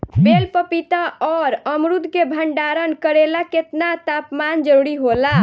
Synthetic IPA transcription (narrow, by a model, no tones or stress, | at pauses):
belpəpit̪aɔɾəmɾud̪ʱkebʱəɳɖaɾənkəɾelaket̪nat̪apmand͡ʒəɾuɾiɦola